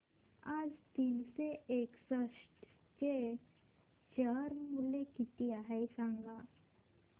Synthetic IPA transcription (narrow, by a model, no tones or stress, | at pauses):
aːd͡ʒt̪inseeːksəʃʈ | t͡ʃe | t͡ʃaɾmulekit̪iaɦajsãŋɡa